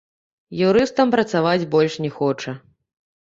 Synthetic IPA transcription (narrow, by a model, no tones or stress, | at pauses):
juɾɨst̪ɐmpɾɐt̪savad͡zʲbɔlʲʂnʲɛxɔt͡ʂɐ